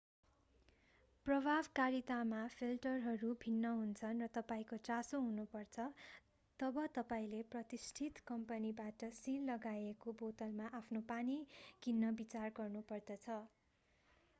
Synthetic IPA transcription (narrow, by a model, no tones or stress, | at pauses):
prʌbʱabkaɾit̪amapʰilʈʌrɦʌɾubʱinːʌɦunt͡sʰʌnrʌt̪ʌpaĩkot͡sasoɦunupʌrt͡sʰʌ | t̪ʌbʌt̪ʌpaĩleprʌt̪isʈʰit̪kʌmpʌnibaʈʌsilːʌɡaekobot̪ʌlmaʔapʰnopanikinːʌbit͡sarɡʌrnupʌrd̪ʌt͡sʰʌ